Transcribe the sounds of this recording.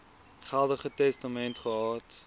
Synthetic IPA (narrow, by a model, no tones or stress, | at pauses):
χælˠdəχətɛstamɛntχəɦɑːt